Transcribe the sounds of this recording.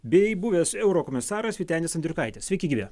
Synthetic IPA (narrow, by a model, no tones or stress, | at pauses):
bʲɛɪbuʋʲeːsɛʊɾoːkoːmʲɪsɑːɾɐsʲʋʲiːt̪ʲæːnʲesɐnd̪ʲɾʲʊkɐɪt̪ʲeːssʲʋʲɛɪkʲɪɡʲiːʋʲeː